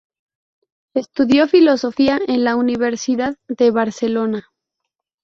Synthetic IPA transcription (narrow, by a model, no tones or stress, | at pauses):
est̪uðjo̞filo̞so̞fiaenlauniβe̞ɾsiðaððe̞βaɾse̞lo̞na